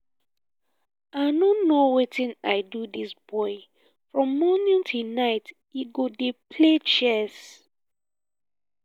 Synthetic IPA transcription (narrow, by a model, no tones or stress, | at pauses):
anonowetĩnaɪdudisb̥ɔɪ | fɹɔ̃mːɔnĩntʰunaɪt | iɡodepʰlet͡ʃɛs